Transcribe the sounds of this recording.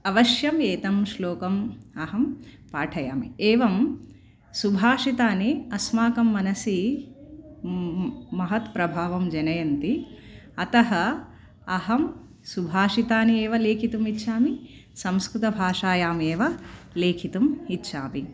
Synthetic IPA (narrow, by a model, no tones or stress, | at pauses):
ɐʋɐʃjɐmeːt̪ɐmʃloːkɐmɐɦɐmpaːʈʰɐja̰ːmḭeːʋɐm | subʱaːʂit̪aːniɐsmaːkɐmːɐnɐsi | mɐɦɐt̪pɾɐbʱaːʋɐmd͡ʒɐnɐjɐnt̪i | ɐt̪ɐɦɐ | ɐɦɐm | subʱaːʂit̪aːnieːʋɐleːkʰit̪umitːʃʰaːmi | sɐmskɾut̪ɐbʱaːʂaːjaːmeːʋɐleːkʰit̪umitːʃʰaːmi